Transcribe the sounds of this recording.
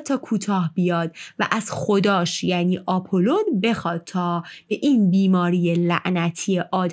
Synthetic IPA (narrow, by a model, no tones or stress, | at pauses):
t̪ʰːɒːkʰuːt̪ʰɒːhbijɒːd̪̥væ̰ʔæzxo̞d̪ɒːʃjæːniːʔɒːpʰolod̪be̞xɒːd̪̥̚t̪ʰɒːb̥eʔiːnbiːmɒːɾijelæʔnæt̪ʰiːeʔɒːd̪